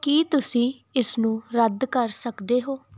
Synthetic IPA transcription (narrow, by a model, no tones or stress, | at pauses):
kiːt̪ʊsĩː | ɪsnũːɾəd̪kəɾsəkd̪eːɦoː